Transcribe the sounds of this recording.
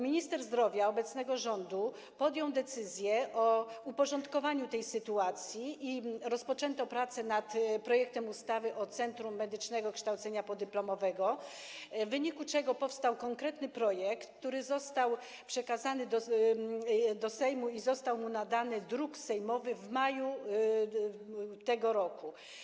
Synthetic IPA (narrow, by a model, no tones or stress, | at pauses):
mʲiɲist̪ɛɾzd̪ɾɔvʲjaɔbɛt̪snɛɡɔʐɔnd̪u | pɔd̪ʲjɔ̃w̃d̪ɛt̪sɘzʲjɛʔɔupɔʐɔnt̪kɔvaɲut̪ɛjsɘt̪uat̪sʲjiʔiɾɔspɔt͡ʂɛnt̪ɔpɾat̪sɛnat̪pɾɔjɛk̚t̪ɛmust̪avɘʔɔt̪sɛnt̪ɾumːɛd̪ɘt͡ʂnɛɡɔkʂt̪awt̪sɛɲapɔd̪ɘplɔmɔvɛɡɔ | vːɘɲikut͡ʂɛɡɔpɔfst̪awkɔŋkɾɛt̪nɘpɾɔjɛkt̪ːuɾɘzɔst̪aw | pʂɛkazanɘd̪ɔ | d̪ɔsɛjmuizɔst̪awmunad̪anɘd̪ɾuksɛjmɔvɘvmaju | t̪ɛɡɔɾɔku